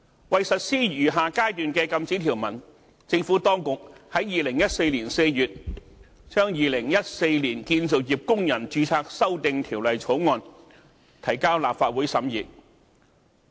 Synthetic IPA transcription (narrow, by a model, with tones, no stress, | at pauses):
wɐ˨jsɐ˨t̚siː˥jyː˨˩ɦaː˨kaː˥jt̪yː˨nkɛː˧kɐ˧mt͡siː˨˥t̪ʰiː˨˩wmɐ˨˩n | t͡sɪ˧ŋfuː˨˥t̪ɔː˥ŋkʊ˨k̚hɐ˨˥jiː˨lɪ˨˩ŋjɐ˥t̚se˧jliː˨˩nse˧jjyː˨t̚ | t͡ʃœː˥ŋjiː˨lɪ˨˩ŋjɐ˥t̚se˧jliː˨˩nkiː˧nt͡so˨wjiː˨p̚kʊ˥ŋjɐ˨˩nt͡ʃyː˨˥t͡sʰaː˧k̚sɐ˥wt̪ɪ˨˧ŋt̪ʰiː˨˩wlɐ˨jt͡sʰo˨˥wŋɔː˧n | t̪ʰɐ˨˩jkaː˥wlaː˨p̚faː˧t̚wuː˨˥jsɐ˨˥mjiː˨˩t̚